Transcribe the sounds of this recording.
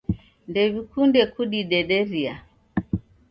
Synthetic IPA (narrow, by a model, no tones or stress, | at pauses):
ndɛβikundɛkuɗiɗɛɗɛɾia